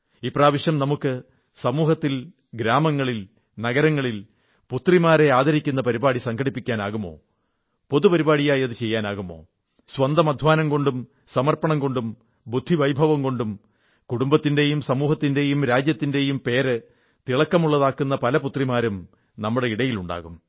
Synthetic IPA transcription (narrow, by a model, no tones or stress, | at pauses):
iːpraːʋiɕjɐmnɐmukːɨ | sɐmuːɦɐt̪ːil | ɡɾaːmɐŋːɐɭil | nɐɣɐɾɐŋːɐɭil | put̪rimaːɾe̞aːd̪ɐɾikʲːun̪ːɐpɐɾibaːɽisɐŋkʰɐɽipːikʲːaːnaːɣumːo̞̰ː | po̞ðupɐɾibaːɽijaːjɐðut͡ɕe̞jːaːnaːɣumːo̞̰ː | sʋɐnd̪ɐmɐd̪ʱʋaːnɐmko̞ɳɖum | sɐmɐrpɐɳɐmko̞ɳɖum | bud̪ʱːiʋɐjbʱɐʋɐmko̞ɳɖum | kuɽumbɐt̪ːinde̞jumsɐmuːɦɐt̪ːinde̞jumɾaːd͡ʑjɐt̪ːinde̞jumpe̞ːɾɨ | t̪iɭɐkːɐmuɭːɐðaːkːunːɐpɐlɐput̪rimaːɾɐm | nɐmːuɽe̞iɽɐjiluɳɖa̰ːɣum